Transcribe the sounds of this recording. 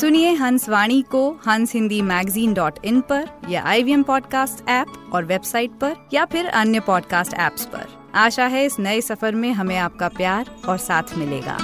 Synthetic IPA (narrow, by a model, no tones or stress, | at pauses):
sʊnieɦɐ̃nsʋaːɽ̃ikohɐ̃nsɦɪ̃nd̪imɛːɡziːnɖɔːʈɪ̃npɐɾjaʔa̰ːibiɛmpɔːɖkaːsʈɛːpɔːɾʋeːbsaːɪʈ̚pɐɾjapʰɪɾɐ̰njəpɔːɖkaːsʈɛ̰ːpspɐ̰ɾ | aːʃaɦɛɪsnɐesɐfəɾmẽɦɐmẽaːp̚kapjaːɾɔːɾsaːt̪ʰmɪlḛːɡa̰ː